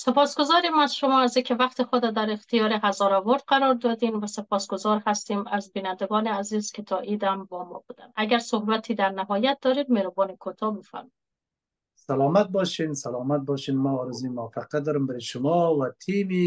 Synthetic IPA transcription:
sepɒːsɡozɒːɾimaz̥ʃomɔːaziːkʰʲevaqt̪exod̪ad̪æɾext̪ijɒːɾeɦazɒɾavoɾd̪̚qaɾɒːɾd̪ɒd̪invæsepʰɒːsɡozɒɾhast̪imazbinænd̪eɡɒːneazizkʰʲet̪ʰɒʔid̪æmbɒmɒ̰bud̪a̰næɡæɾsohbat̪ʰiːd̪æɾnaɦɒːjat̪̚d̪ɒːɾid̪meɾobɒːnekʰot̪ʰɒbefæ̰ɾmɔj̪ | salɔmat̪̚bɔʃinsalɔmat̪̚bɔʃinmaːɾɪzujmʊafaqat̪̚d̪ɔɾɪmbaɾeʃʊmɔwat̪ʰimi

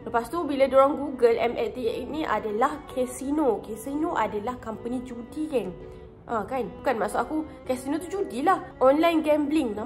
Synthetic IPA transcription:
ləpast̪ubiladoɾaŋɡuɡəlʔɛmɛlt̪iɛʔ̚nĩʔa̰dalahkʰɛsinokɛsinoʔadalahkampənĩd͡ʒudikɛŋ | ʔãkanbukanmaʔsaʔaku | kɛsinõt̪̬ud͡ʒudilahʔɔnlajnɡɛmbliŋna

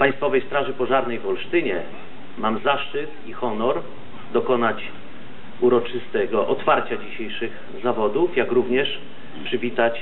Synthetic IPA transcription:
paj̃st̪fɔvɛjst̪ɾaʐɘpɔʐaɾnɛjvɔlʂt̪ɘɲɛ | mamzaʂt͡ʂɘt̪ixɔnɔɾ | d̪ɔkɔnat͡ɕ | uɾɔt͡ʂɘst̪ɛɡɔʔɔt̪faɾt͡ɕad͡ʑiɕejʂɘɣ | zavɔd̪ufjakɾuvɲɛʂ | pʂɘvʲit̪at͡ɕ

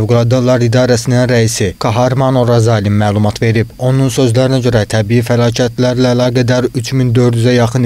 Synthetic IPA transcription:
vɡulˠɑd̪ɑlˠɑɾid̪ɑːɾæsininɾæisikʰɑɦɑɾmɑnoɾɑzɑilinmæːlˠumɑt̪ʰve̞ɾibo̞nunsø̞zlæɾinæɟø̞ɾæt̪ʰæbijifælˠɑːcʰæt̪ʰlæɾlæːlˠɑːɡæd̪æɾyt͡ʃʰmind̪ø̞ɾd̪yzæjɑχɯn

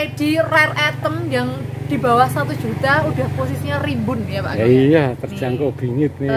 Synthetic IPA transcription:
ed̥irɛrɛt̪ənjaŋ | d̥i̤bawahsat̪u̥d͡ʒ̥ut̪aud̥ahposisiɲarimbʊnjapa̰ʔkijat̪ərd͡ʒaŋkɔb̥i̤ŋɪt̪̚ni

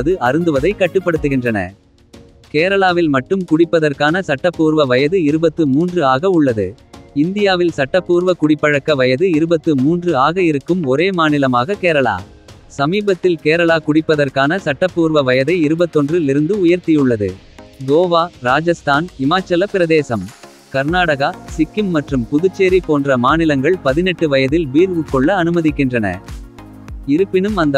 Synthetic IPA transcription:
ðɯʔɐɾɯnd̪ɯʋɐðɐɪkːɐʈːɯpːɐɽɯt̪ːɯɣɪndrɐnɐ̰ | keːɾɐɭaːʋɪlmɐʈːɯmkʊɽɪpːɐðɐrkaːnɐsɐʈːɐpːuːɾʋɐʋɐjɐðɯɪɾɯbɐt̪ːɯmuːndrɯaːɣɐʊɭːɐðɯ | ɪnd̪ɪjaːʋɪlsɐʈːɐpːuːɾʋɐkʊɽɪpːɐɻɐkːɐʋɐjɐðɯɪɾɯbɐt̪ːɯmuːndrɯaːɣɐɪɾɯkːɯmɔɾeːmaːnɪlɐmaːɣɐkeːɾɐɭa̰ː | sɐmiːbɐt̪ːɪlkeːɾɐɭaːkʊɽɪpːɐðɐrkaːnɐsɐʈːɐpːuːɾʋɐʋɐjɐðɐɪɪɾɯbɐt̪ːɔndrɯlɪɾɯnd̪ɯʊjɐɾt̪ɪjɯɭːɐðɯ̰ | ɡoːʋaːɾaːd͡ʒɐst̪ʰaːnɪmaːt͡ʃːɐlɐpɪɾɐðeːsɐm | kɐɾnaːɽɐɣasɪkːɪmːɐʈrɯmpʊðɯt͡ʃːeːɾipːoːndrɐmaːnɪlɐŋɡɐɭpɐðɪnɛʈːɯʋɐjɐðɪlbiːɾɣɯkːɔɭːɐːnɯmɐðɪkːɪndrɐnɐ̰ | ɪɾɯpːɪnɯmɐnd̪ɐ

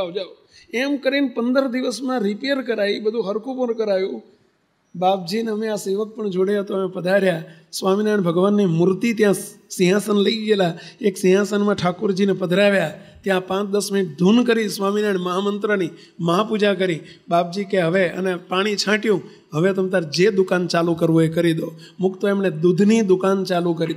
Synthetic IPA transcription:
aːd͡ʒaːʋ | eːmkəɾiːnpənd̪əɾd̪ɪʋəsmãɾɪpejəɾkəɾaːiːɓəd̪ʱũɦəɾkʰupənkəɾaːjũː | ɓaːp̚d͡ʒiːnəmẽaːseːʋək̚pəɳd͡ʒoːɽjat̪omẽpəd̪ʱaɾjaːsʋaːmiːnaːɪɳbʱəɡʋaːnːiːmʊɾt̪iːt̪ɪjãsĩɦãːsənləid͡ʒelaːeːksĩɦãːsənmãːʈʰaːkʊɾd͡ʒiːnɛpəd̪ʱɾaːʋjaː | t̪jãpãt͡ʃd̪əsmɪɪʈ̚d̪ʱunkəɾĩsʋaminaɳməɦamənt̪ɾəni | məɦapud͡ʒak̬əɾĩ | bap̚d͡ʒikeɦəʋeə̰nepaɽ̃it͡ʃʰãʈjũ | ɦəʋet̪əmt̪aɾd͡ʒed̪ʊkant͡ʃalukəɾʋoekəɾid̪o | mʊkt̪oemned̪ud̪ʱnid̪ʊkant͡ʃalukəɾid̪

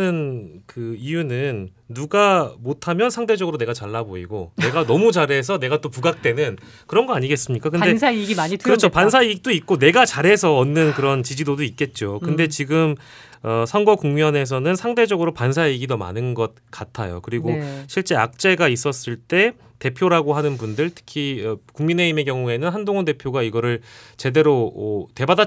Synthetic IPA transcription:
ɯnkɯijunɯnː | uɡamotʰamjʌnsʰaŋde̞d͡ʑʌɡɯɾone̞ɡat͡ɕaɭːaboḭɡone̞ɡanʌmut͡ɕaɾɦe̞s̬ʰʌne̞ɡat͈opuɡak̚t͈e̞nɯn | kɯɾʌnɡʌaɲiɡe̞s͈ɯmɲik͈akɯnde̞iikɯɾʌt͡ɕʰopans̬ʰaiɡik̚t͈oik̚k͈one̞ɡat͡ɕaɾɦe̞sʰʌʌnːɯnkɯɾʌnt͡ɕid͡ʑidodoit̚k͈e̞t̚t͡ɕ͈okɯnde̞t͡ɕiɡɯm | ʌsʰʌŋɡwʌkuŋmiʌne̞s̬ʰʌnɯnsʰaŋde̞d͡ʑʌɡɯɾopansʰaiɡidoma̰nɯnɡʌt̚k͈atʰajo̰kɯɾiɡoɕʰiɭt͡ɕ͈e̞a̰k̚t͡ɕ͈e̞ɡais͈ʌs͈ɯɭt͈e̞ | te̞pʰjoɾaɡoɦanɯnbundɯɭtʰɯ̥kʰiʌkuŋmine̞imek̬jʌŋue̞nɯnɦandoŋʌnde̞pʰjoɡaiɡʌɾɯɭt͡ɕe̞de̞ɾoʌte̞bada

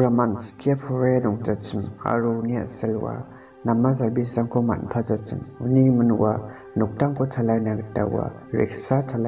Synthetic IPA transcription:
ɾamanskʰiapʰɔɾajnuŋtat͡ʃima̰ɾunia̰selwa̰ | namːas̬aɾbisaŋkʰoma̰npʰazat͡ʃimunimɯnwa | nuk̚taŋkʰotʰalajnaɡta̰wa̰ | ɾḛksatʰala

